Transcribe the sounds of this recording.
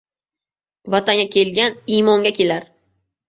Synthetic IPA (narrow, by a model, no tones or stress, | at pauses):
vat̪ʰaŋɡʲakʲʰe̞lɡʲanimɒŋɡʲakʲʰe̞laɾ